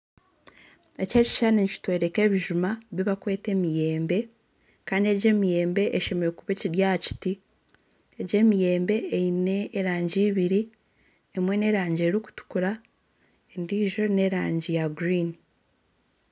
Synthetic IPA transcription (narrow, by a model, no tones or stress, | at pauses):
e̞ce̞ːci̥ʃaneɲici̥twe̞ːɾe̞ke̞ːβiʒumaβiβakwe̞ːte̞ːmije̞ːmbe̞ | kaːndie̞ɟe̞ːmije̞ːmbe̞ʔeʃe̞meokuβeciɾjaci̥ti | eɟe̞ːmije̞ːmbe̞ːine̞ːɾaːɲɟiːβiɾi | emwe̞ne̞ɾaːɲɟeɾiku̥tu̥kuɾa | endiːʒo̞ne̞ɾaːɲɟijaɡɾiːni